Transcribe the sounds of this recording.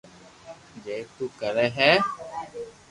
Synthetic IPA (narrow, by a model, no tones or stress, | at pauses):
d͡ʒeːt̪uːkəɾɛːɦɛː